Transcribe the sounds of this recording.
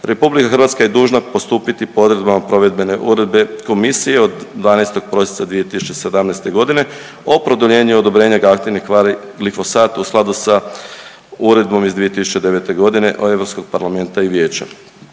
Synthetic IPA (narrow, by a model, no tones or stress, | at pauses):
ɾʔe̞publikaxr̩ʋat̪skaje̞d̪uːʒnapo̞st̪uːpit̪ipood̪ɾed̪bamapɾo̞ʋe̞d̪be̞ne̞ʔuɾed̪be̞ko̞misijeo̞d̪ːʋaːnest̪o̞ɡ̚pɾo̞si̥sad̪ʋije̞t̪isu̥t͡ʃese̞d̪amnajst̪e̞ɡo̞d̪ine̞ | o̞pɾo̞d̪oʎe̞ːɲuod̪o̞bɾe̞ːɲaɡakt̪inia | ɡlifo̞saːt̪usklˠad̪usa | uɾe̞d̪̚bo̞mizd̪ʋije̞t̪isu̥t͡ɕe̞d̪e̞ʋe̞t̪e̞ɡo̞d̪ine̞̰ʔoe̞ʋɾopsko̞ɡ̚paɾlame̞nt̪aiʋje̞ːt͡ɕa̰